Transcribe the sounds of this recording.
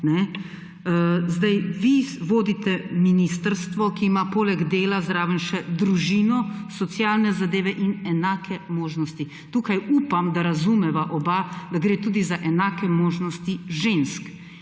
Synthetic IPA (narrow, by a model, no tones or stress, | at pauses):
nɛ | zd̪ajʋiʋoːd̪it̪ɛminist̪əɾst̪ʋɔkiːmapoːlɛɡd̪eːlazɾaːʋənʃɛd̪ɾuʒiːnɔsɔt̪sjaːlnɛzad̪eːʋɛʔinɛnaːkʰɛmoːʒnɔst̪i | t̪uːkajuːpamd̪aɾazumɛʋaʔɔbad̪aɡɾeːt̪uːd̪izaʔɛnaːkɛmoːʒnɔst̪iʒensk